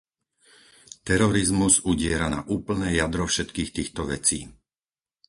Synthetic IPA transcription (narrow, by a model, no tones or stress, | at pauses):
t̪ɛɾɔɾizmuzuɟɪɛɾana̰ʔuːpl̩nɛːjad̪ɾɔfʃɛt̪kiːxt̪iːxt̪ɔʋɛ̰t͡siː